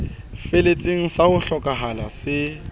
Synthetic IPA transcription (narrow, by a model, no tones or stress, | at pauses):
felet͡sʼiŋ̩sahʊɬɔkʼaɦalasɪ